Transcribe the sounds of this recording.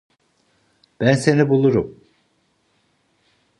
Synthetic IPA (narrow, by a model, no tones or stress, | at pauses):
b̥ænse̞nibulˠuɾum